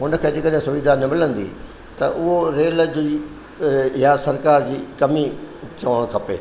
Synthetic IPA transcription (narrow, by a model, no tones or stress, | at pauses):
ʊnə̆kʰeːd͡ʑeːkəɗɦẽsʊʋid̪ʱanɪmɪlə̃nd̪ḭ | t̪ɐʔʊɦoɾeːld͡ʑiː | jasɐɾkaːɾd͡ʑiːkɐmit͡ɕɐʋəɽəɽ̃kʰɐpeː